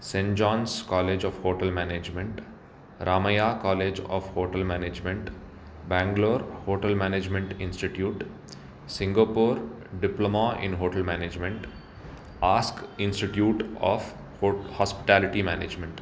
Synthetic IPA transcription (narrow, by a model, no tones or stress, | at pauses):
sẽɳd͡ʒɔ̃ːnskɔːleːd͡ʒɔːʋhoːʈəlmæneːd͡ʒmẽɳʈ | ɾaːməjakɔːleːd͡ʒɔ̰ːʋhoːʈəlmæːneːd͡ʒmẽɳʈ | bæ̃ːŋɡloːɾhoːʈəlmæːned͡ʒmẽɳʈɪ̃nsʈɪʈjuːʈ | sɪ̃ŋɡapoːɾ | ɖɪplomãʔɪ̰̃nɦoːʈəlmæːneːd͡ʒmẽɳʈ | aːskɪ̃nsʈɪʈjuːʈɔ̰ːf | hɔːspɪ̥ʈæːlɪʈimæːneːd͡ʒmẽɳʈ